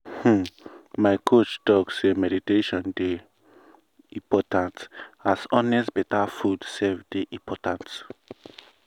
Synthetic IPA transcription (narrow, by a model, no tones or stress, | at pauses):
h̩maɪkʰot͡ʃtɔksemɛditeʃɔ̃nde | ĩmpɔtãntasɔ̃nɛsbɛtafudsɛfdeʔĩpʰɔtãnt